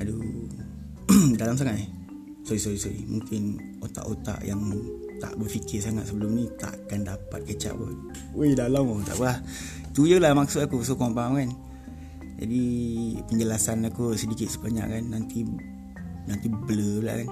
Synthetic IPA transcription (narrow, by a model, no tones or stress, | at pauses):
adu | dalams̬aŋaʔ̪i | soisoisoḭmuŋkɪn | ot̪a̰ʔot̪a̰ʔjaŋt̪a̰ʔbərfikɪrsaŋat̪̚səbəlʊmnit̪a̰ʔkandapat̪̚kət͡ʃa̰ʔpə̰ | wedalamot̪a̰ʔkulah | t̪ujəlamak̚sut̪akus̬okɔŋpamkan | d͡ʒa̰dipəɲd͡ʒəlasanakusədikɪt̪̚səbaɲa̰ʔkanːant̪i | nant̪ibləbəla̰kan